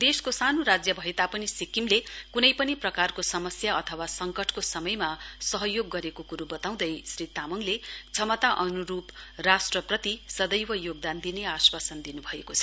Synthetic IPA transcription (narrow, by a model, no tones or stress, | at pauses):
d̪eskosanoɾad͡zjʌbʱʌɦet̪apʌnisikimlekunʌjpʌniprʌkarkosʌmʌsjaʌt̪ʰʌwasʌŋkʌʈʰkosʌmʌjmasʌɦʌjoɡːʌɾekokuɾubʌt̪aw̃d̪ʌjsrit̪amʌŋlet͡sʰʌmʌt̪aʔʌnuɾuprasʈrʌpʌt̪isʌd̪ʌjwʌjoɡ̚d̪and̪ineaswasʌnd̪inubʱʌekot͡sʰʌ̥